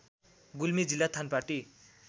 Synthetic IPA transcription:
ɡulmid͡zilːat̪ʰanpaʈi

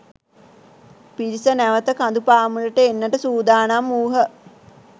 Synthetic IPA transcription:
piɾisənæʋət̪əkand̪upaːmuləʈəenːəʈəsuːd̪aːnamːuːɦə

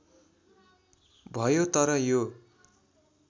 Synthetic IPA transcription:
bʱʌjot̪ʌɾʌjo

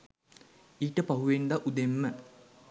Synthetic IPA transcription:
iːʈəpɐɦuʋend̪aʔud̪emːə

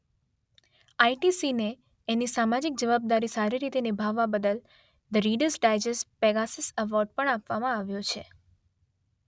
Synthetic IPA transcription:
aiʈisineː | nisamad͡ʒik̚d͡ʒəʋab̚d̪aɾisaɾiɾit̪enɪbʱaʋːabəd̪əl | d̪əɾiɖəɾsɖajd͡ʒəspeɡasɪsəʋɔɾɖ̚pəɳapʋamãaʋjot͡ʃʰe

